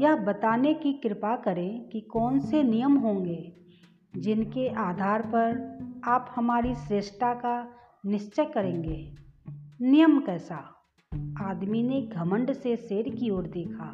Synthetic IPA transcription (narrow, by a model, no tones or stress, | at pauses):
jəɦbɐt̪aːnekikɾɪpakɐɾẽkikɔːnsenɪjəmɦõːŋɡeː | d͡ʒɪnkeʔaːd̪ʱaːɾpɐɾaːphɐmaːɾisɾeːʃʈaka | nɪʃt͡ʃəjkɐɾẽːŋɡeː | nɪjəmkɛːsa | aːd̪mineɡʱɐmə̃ɳɖseseːɾkioːɾd̪eːkʰaː